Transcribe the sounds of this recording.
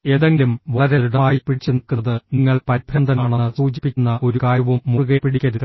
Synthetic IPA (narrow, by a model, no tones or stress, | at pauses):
e̞ːðɐŋɡlumʋɐɭɐɾeɾuɽɐmaːjipiɽit͡ɕːunikːunɐðɨniŋːɐɭpɐɾib̪ʱɾɐnd̪ɐnaːɳɐɨsuːt͡ɕipːikʲːunːɐʔo̞ɾukaːjɐʋumːuɣepiɽikʲːɐɾuð